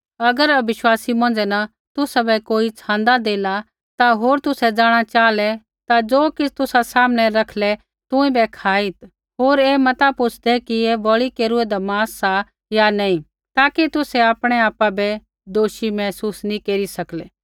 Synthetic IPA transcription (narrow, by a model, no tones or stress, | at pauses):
ɐɡəɾɐbɪʃwaːsimɔ̃ːnd͡ʒɛna | t̪ʊsabɛkoːit͡ʃʰãːnd̪ad̪eːla | t̪aɦoːɾt̪ʊsɛd͡ʒaːɽ̃at͡ʃaːlɛ | t̪ad͡ʒoːkɪt͡ʃʰt̪ʊsasaːmnɛɾɐkʰlɛ | t̪ʊ̃ĩbɛkʰaːɪt̪ | ɦoːɾeːmɐt̪apʊt͡ʃʰd̪ɛkiebɐɭikeːɾʊɛd̪amaːsːa | janɐːĩ | t̪aːkit̪ʊsɛaːpɽ̃ɛaːpabɛ | d̪oːʃimɛːsuːsnĩkeːɾisɐklɛː